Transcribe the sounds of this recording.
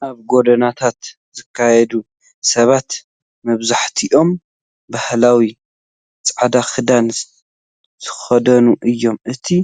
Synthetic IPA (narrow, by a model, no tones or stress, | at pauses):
ʔaβɡo̞d̪ɐnat̪ʰat̪ | zɨkʰːajɛd̪u | sɐβat̪ | mɐβzaħt̪ʰiʔo̞m | bahlawi | t͡sʼʕad̪axɨd̪an | zʰɨ̥xɐd̪ɐnuʔɨjːo̞mʔɨt̪ʰi